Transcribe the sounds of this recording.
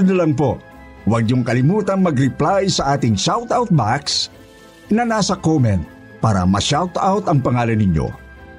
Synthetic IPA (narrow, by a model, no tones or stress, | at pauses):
d̪ɐlɐŋpo | wɐɡ̚ɲʊŋkɐlɪmuːt̪ɐŋmɐɡɾɪplajsɐʔaːt̪ɪŋʃawt̪awt̪̚baks | nɐnaːsɐkomɛnt̪̚ | paːɾɐ̰mɐ̰ʃawt̪awt̪ɐŋpɐŋaːlɐnːɪɲjo̰